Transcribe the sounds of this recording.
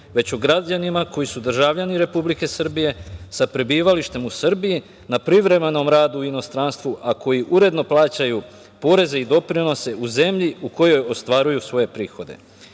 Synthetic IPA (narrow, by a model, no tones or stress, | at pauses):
ʋe̞t͡ɕuɡɾad͡ʑanimako̞jisud̪r̩ʒaʋʎaniɾe̞publike̞sr̩bije̞sapɾebiːʋaliʃt̪e̞musr̩biji | napɾiʋɾe̞me̞no̞mɾaːd̪uuino̞st̪ɾanst̪ʋuʔako̞jiʔuɾe̞d̪no̞plˠaːt͡ɕaju | po̞ːɾe̞ze̞id̪o̞pɾino̞se̞ʔuze̞mʎiuko̞jo̞jo̞st̪ʋaːɾujusʋo̞je̞pɾiːxo̞d̪e̞̰